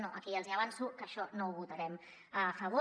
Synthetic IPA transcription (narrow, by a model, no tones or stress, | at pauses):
noʔəkiəlziɐβ̞ansukəʃɔnouβut̪ɐɾɛm | əfəβ̞o